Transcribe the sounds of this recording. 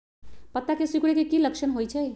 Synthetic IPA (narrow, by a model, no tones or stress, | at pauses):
pət̪ːakesikuɽekekiləkʃʰənɦojt͡ʃʰəj